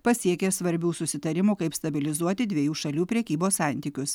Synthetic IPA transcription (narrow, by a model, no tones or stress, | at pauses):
pɐsʲiɛkʲesʋɐɾʲbʲuːsʊsʲɪt̪ɐɾʲɪmuːkɐɪpst̪ɐbʲɪlʲɪzuɔt̪ʲɪd̪ʲʋʲɛjuːʃɐlʲuːpʲɾʲɛkʲiːboːssɑˑnʲt̪ʲiːkʲʊs